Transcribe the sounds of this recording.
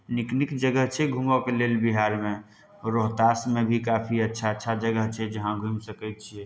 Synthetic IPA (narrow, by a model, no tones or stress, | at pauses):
niknikd͡ʒəɡəɦt͡ʃʰɛɡʱũmɡokelelbiɦaɾmẽ | ɾoɦt̪asmebʱikapʰiətːʃʰatːʃʰad͡ʒəɡəɦt͡ʃʰɛd͡ʒəɦãɡʱũmsəkɛt̪̚t͡ʃʰie